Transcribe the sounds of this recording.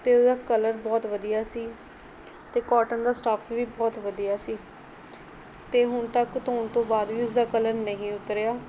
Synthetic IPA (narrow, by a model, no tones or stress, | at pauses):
t̪eːʊsd̪aːkələɾbɔːt̪ʋəd̪ijaːsiː | t̪eːkɔːʈənd̪aːsʈaːfʰʋiːbɔːt̪ʋəd̪ijaːsiː | t̪eːɦʊnt̪əkt̪oːnt̪õːbaːd̪ʋiːʊsd̪aːkələɾnəɦĩːʊt̪ɾejaː